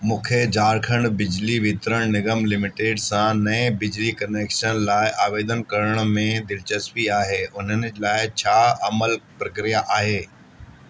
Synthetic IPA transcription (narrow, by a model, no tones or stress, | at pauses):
mũːkʰed͡ʑaːɾkʰə̃ɳɖbɪd͡ʑliʋɪt̪ɾəɽ̃nɪɡəmlɪmɪʈeːɖsãnɐẽbɪd͡ʑlikɐneːkʃənlaːɪʔaːʋeːd̪ənkɐɾəɽ̃mẽd̪ɪlt͡ɕəspiaːɦeːʔʊn̤ənɪ̆d͡ʑlaːɪt͡ɕʰaːɐməlpɾɐkɾijaʔaːɦeː